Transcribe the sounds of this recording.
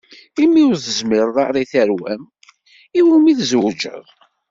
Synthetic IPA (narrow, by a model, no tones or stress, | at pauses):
imːiʊɾθəzmɪɾðˤɑɾˤiθæɾwæm | iwumiθzwəd͡ʒə̰ðˤ